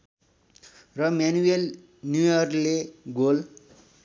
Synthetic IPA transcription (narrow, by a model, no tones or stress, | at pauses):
rʌmanuel | njujʌrleɡol